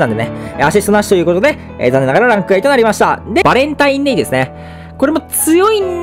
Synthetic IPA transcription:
nãnd̪eneaɕ̬ist̪o̞naɕi̥ojɯ̟ko̞t̪o̞d̪e̞̰ | zanːe̞naɡaɾaɾãŋkɯ̟ait̪o̞naɾimaɕi̥t̪ad̪e̞baɾẽ̞nt̪aĩnːeid̪e̞sɨne̞ | ko̞ɾe̞mo̞t͡sɨjo̞i

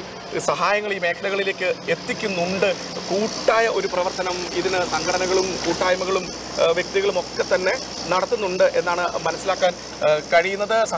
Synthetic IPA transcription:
sɐɦaːjɐŋːɐɭilme̞ːkʰɐlɐɣɐɭile̞ːkːɨe̞t̪ːikʲːunːuɳɖɨ | kuːʈːaːjɐʔo̞ɾuprɐʋɐrt̪ɐnɐmiðinɨsɐŋɡʰɐɽɐnɐɣɐɭumkuːʈːaːjmɐɣɐɭum | ʋjek̚t̪iɣɐɭumo̞kːe̞t̪ːɐnːe̞ | nɐɽɐt̪ːunːuɳɖɨʔe̞nːaːɳɨmɐnɐsːilaːkːaːn | kɐɻijunːɐðɨsɐ

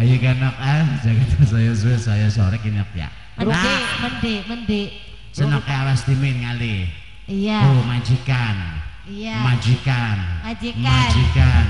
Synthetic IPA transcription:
ajukanɔk̚ad͡ʒakat̪as̬ajɔs̬uesajɔsoɾɛkinɔk̚ja̰ | aməndiməndi | sənɔkːeawast̪imɪnŋali | jt̪umḁd͡ʒikan | mad͡ʒikand͡ʒimad͡ʒikan

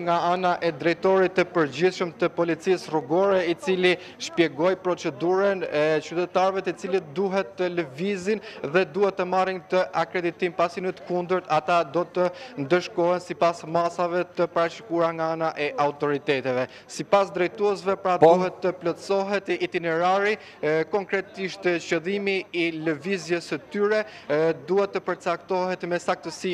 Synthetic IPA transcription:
ŋɡaanaʔɛd̪ɾɛjt̪ɔɾit̪ːəpəɾɟiθʃəmt̪əpɔlit͡sisruɡɔɾɛit͡sili | ʃpjɛɡɔjpɾɔt͡ʃɛd̪uɾənɛt͡ʃyt̪ɛt̪aɾvɛt̪ət͡silit̪̚d̪uɦɛt̪ːələvizinðɛd̪uhɛt̪ːəmarint̪əʔakɾɛd̪it̪impasinət̪kund̪əɾt̪at̪ad̪ɔt̪ənd̪əʃkɔɦɛnsipasmasavɛt̪əpaɾaʃi̥kuɾaŋɡaanaʔɛʔaut̪ɔɾit̪ɛt̪ɛvɛ | sipasd̪ɾɛjt̪uɛs̬vɛpɾaduɦɛt̪ːəplɔsɔɦɛt̪it̪inɛɾaɾi | kɔŋkɾɛt̪iʃt̪cəðimiːləvizjəsət̪yɾɛ | d̪uɦɛt̪ːəpəɾt͡sak̚t̪ɔɦɛt̪mɛsak̚t̪əsi

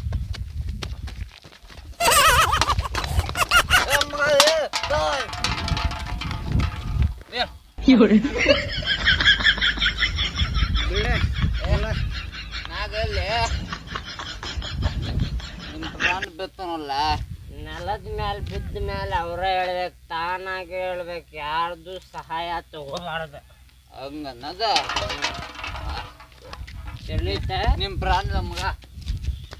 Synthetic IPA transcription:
ma | iɽin | i | naːɡelːe | nimpɾaːnbet̪ːɐnɐlːɐnɛlɐd̪meːlbid̪ːmeːlɐʋɾeɦeːɭbeːk̚t̪aːnaːɡɦeːɭbeːkjaːɾd̪usɐɦaːjat̪ɔɡomaːɽd̪e | ɐ̰ŋɡɐnːɐd̪ɐ | t̪elit̪ːenimpɾaːɳnɐmːɡɐ

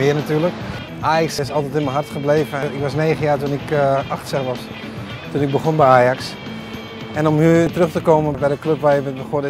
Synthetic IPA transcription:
mɪənatyːlək | ʔaːjaksɪsɔlˠtɛtɪnməɦartχəbleːvəɪkʋɔsneːɣənjaːtunɪkaxtsɛxʋɔs | tunɪɡ̚bəxonbɛjaːjaks | ɛnɔmhyːtərøxtəkoːməbɛjdəkløpʋajɪʋəxod

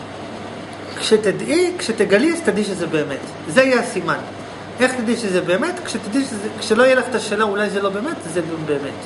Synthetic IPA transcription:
kʃet̪ed̪ikʃet̪eɡalist̪ad̪iʃezebe̞ːme̞t | zeajaasiman | ʔe̞χt̪ad̪iʃezebe̞ːme̞t̪kʃet̪ad̪iʃkʃeloijelaχet̪aʃeːnaulajzelo̞be̞ːme̞tzeɡbe̞ːme̞t

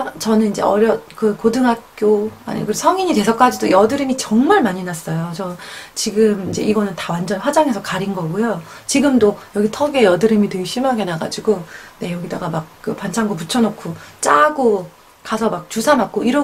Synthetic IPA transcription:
t͡ɕʌnɯnind͡ʑe̞̰ʌɾjʌkɯkodɯŋɦak̚k͈joa̰ɲḭkɯsʰʌŋiɲite̞sʰʌk͈ad͡ʑidojʌdɯɾimit͡ɕʌŋmaɭmaɲinas͈ʌjot͡ɕʌt͡ɕiɡɯmind͡ʑe̞̰iɡʌnɯntawand͡ʑʌnɸwad͡ʑaŋɦe̞sʰʌkaɾinɡʌɡujo | t͡ɕiɡɯmdojʌɡitʰʌɡe̞jʌdɯɾimitweɭɕ͈imjaɡe̞naɡa̰d͡ʑiɡone̞jʌɡida̰ɡamak̚k͈ɯpant͡ɕʰaŋɡop̬ut͡ɕʰʌnokʰot͡ɕ͈aɡo | kasʰʌmak̚t͡ɕusʰamak̚k͈oiɾʌ

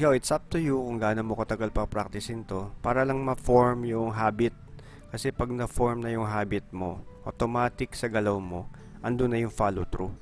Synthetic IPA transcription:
kawɪt̪sap̚t̪ʊjukʊŋɡaːnomokɐt̪ɐɡalpɐpɾak̚t̪ɪsɪnt̪o̞paːɾɐlɐŋmɐfoɹmjʊŋɦaːbɪt̪̚ | kɐsɛpɐɡ̚nɐfoɹmnɐjʊŋɦaːbɪt̪̚mo̞ʔot̪omaːt̪ɪksɐɡɐlɐwmo̞ | ʔɐnd̪ʊnːɐjʊŋfaːlot̪ɾu

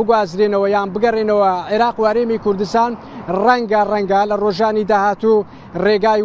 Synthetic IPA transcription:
ɨɡwaːzɾeːnɐwɐjaːnbɨɡɐreːnɐwɐʕeɾaːquhɐɾeːmikʊɾd̪ɨst̪aːn | rɐŋɡɐrɐŋɡɐlɐroʒaːnid̪aːhaːt̪u | reːɡaː

